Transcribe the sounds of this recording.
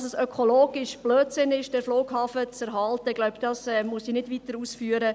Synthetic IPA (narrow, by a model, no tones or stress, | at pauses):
sɛsœkʰoloːɡ̥ɪʃb̥løːtsɪnɪʃd̥ɛɾfloːɡhɑːfət͡sɛɾɦɑltəɪɡ̥lɔʊbd̥ɑsɛːmuəsinɪdʋit̪əɾuːsfyːəɾə